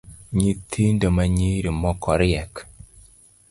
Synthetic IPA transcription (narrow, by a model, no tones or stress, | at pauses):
ɲitʰindomaɲiɾimɔkɔɾiɛk